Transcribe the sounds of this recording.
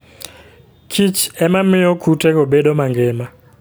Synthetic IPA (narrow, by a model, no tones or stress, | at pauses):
kʰit͡ʃɛmamɪɔkʰutɛɣɔɓɛɗɔmaŋɡɛma